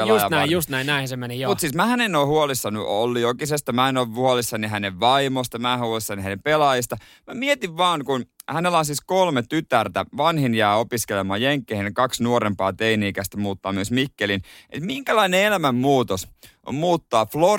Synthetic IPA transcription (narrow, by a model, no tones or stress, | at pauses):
elɑsjɑnæijust̪næinæinsemenijomut̪siːsmæhænenoːhuolisːɑnyʔolːiokisest̪ɑmæenoʋʋuolisːɑniɦæneʋʋɑimost̪ɑmæhuolisːɑnihænempelɑːjist̪ɑ | mæmiet̪iʋʋɑːnkunhænelːɑnsiskolmet̪yt̪ært̪æʋɑnhinjæːopiskelemɑːjeŋkːeːhenkɑksnuoɾempɑ̰ːt̪einiːkæst̪æmuːt̪ːɑːmyøsmikːelinḛt̪miŋkælɑineelæmæmmuːt̪os | o̰mmuːt̪ːɑːflo